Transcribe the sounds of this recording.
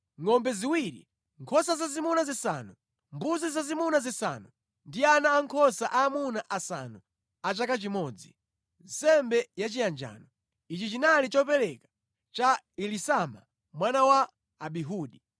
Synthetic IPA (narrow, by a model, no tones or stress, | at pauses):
ŋɔmbɛziwiɾḭ | ŋkʰɔsazazimunazisa̰nu | mbuzizazimunazisa̰nu | ndianaːŋkʰɔsaʔaːmunaʔasa̰nu | at͡ʃakat͡ʃimɔːd͡zi | nsɛmbɛjat͡ʃijand͡ʒa̰ːnɔ | it͡ʃit͡ʃinalit͡ʃɔpɛɾɛkḁ | t͡ʃa | ilisama̰ | mwanawaː | ɓiɦuːɗi